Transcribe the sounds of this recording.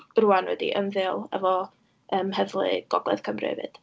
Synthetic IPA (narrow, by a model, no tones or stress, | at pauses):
ruːanwɛdḭʔənðɨːlˠɛ̰vɔ | ʔəːmhɛðlˠɨ̰ɡ̥ɔɡˠɛ̰ðkʰəmrḛvɨ̰d̥